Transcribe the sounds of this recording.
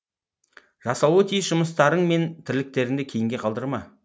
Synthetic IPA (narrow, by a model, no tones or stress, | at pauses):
ʒ̥ɑsɑwət̪ʰijsʒʊməst̪ɑɾəɴme̞nt̪ʰɪɾlɪk̚t̪e̞ɾɪŋd̪ekʲʰe̞jɪŋɡʲe̞qʰɑlˠd̪əɾmɑ